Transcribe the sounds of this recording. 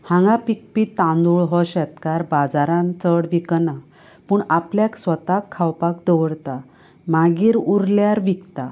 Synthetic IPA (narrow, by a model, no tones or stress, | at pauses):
hãŋɡapik̚pit̪ãnd̪uɭɦɔɕɛt̪kaɾbad͡zaɾãnt͡səɽʋikna | puɳapljaksʋət̪akʰːawpakd̪əʋəɽt̪a | maɡiːɾuɾljaɾʋikt̪a